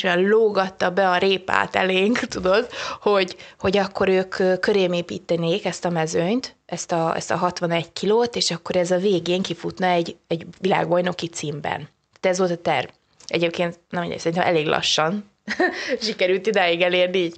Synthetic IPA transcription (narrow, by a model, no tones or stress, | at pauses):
ɒloːɡɒt̪ːɒbɛɒɾeːpa̰ːt̪ɛ̰leːŋkt̪ud̪o̞d̪ho̞ɟho̞ɟɒkːo̞ɾøːkøːkːøɾeːmeːpḭːt̪ːɛneːkɛst̪ɒmɛzøɲt̪ɛst̪ɒɛ̰st̪ɒ̰ɦɒt̪ʋɒnɛɟkʰiloːt̪eːʃɒkːo̞ɾɛzɒveːɡeːŋkifut̪nɒɛɟɛɟʋila̰ːɡbɒjno̞kit̪siːmbɛ̰naːt̪ɛzʋo̞lt̪ɒt̪ɛ̰rv | ɛ̰ɟeːp̚keːnt̪nɛminɛ̰jsɛinɛ̰mʔɛ̰leːɡlɒ̰ʃːɒn | ʃikɛɾylt̪id̪aːjiɡɛleːrniiːɟ